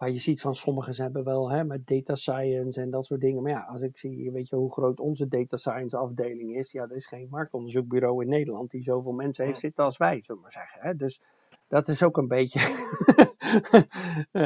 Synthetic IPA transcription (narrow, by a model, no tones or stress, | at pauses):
majəzitfɑnsɔməχəsɦɛbəʋɛlˠɦɛmɛdejtasajənsɛndɑtsʊːt̚dɪŋəmajaʔɑsɪksiʋejtjəɦuχrowtɔnzədejtasajənsɑfdejlɪŋɪsjadərɪsχejnmɑɹk̚tɔndəɹzuk̚byɾowɪnːejdəlɑnt̚dizowvɪːlˠmɛnsəɦejftsɪtəɑlˠsʋɛjz̥ølɪkmaɹz̥ɛχənɦɛdøs | d̥ɔtɪsowkənbejtə